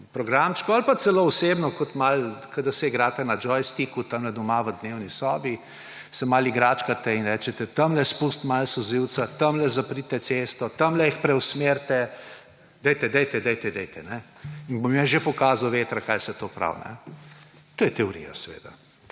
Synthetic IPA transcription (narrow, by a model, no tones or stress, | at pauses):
pɾɔɡɾamt͡ʃkɔalpat̪sɛloːɔsebnɔkɔt̪malkəd̪ɐsɛiɡɾaːt̪ɛnad͡ʒɔjst̪ikut̪ɐmlɛd̪ɔmaʋəd̪newnisɔːbi | sɛmaliɡɾaːt͡ʃkat̪ɛinɾɛːt͡ʃɛt̪ɛt̪ɐmlɛspust̪malsɔziw̪sat̪ɐmlɛzapɾit̪ɛt̪sest̪ɔt̪ɐmlɛixpɾɛwsmeɾt̪ɛ | d̪ɛjt̪ɛd̪ɛjt̪ɛd̪ɛjt̪ɛd̪ɛjt̪ɛnɛinbomjɛʒepɔkaːzawʋeːt̪ɾakajsɛt̪opɾa̰wnɛ̰ | t̪oːjɛt̪ɛɔɾḭja̰sɛʋḛːd̪a̰